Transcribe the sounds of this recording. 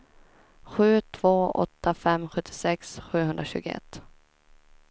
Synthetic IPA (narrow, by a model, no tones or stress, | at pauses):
ɧʉ̟ːt̪ʰv̥oːɔ̰t̪ːafɛmɧɵt̪ʰːɪsɛksɧʉ̟ːɦɵnd̪ɾaɕʉ̟ːɡʊɛ̰t̪ː